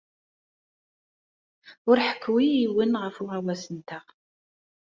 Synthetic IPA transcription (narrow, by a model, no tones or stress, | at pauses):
ʊɾħə̥kʰːwijːwənʁəfuʁæwæsənt̪əʁ